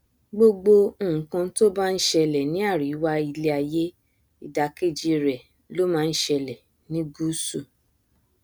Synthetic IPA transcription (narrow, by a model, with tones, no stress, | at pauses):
ɡ͡bo˧ɡ͡bõ˧˦˨kã˧to˦ba˦˧n̩˦ʃɛ˧lɛ˨nĩ˨˦a˦˨ɾi˨˦wa˦i˧le˦a˧je˦ | i˨da˧ke˦˨d͡ʒi˧˨ɾɛ˨ | lo˦mãː˦˧n̩˦ʃɛ˧lɛ˨ | nĩ˦ɡu˦su˦˨